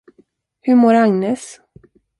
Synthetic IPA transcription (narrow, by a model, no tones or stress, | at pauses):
hɵmoːɾaŋneːs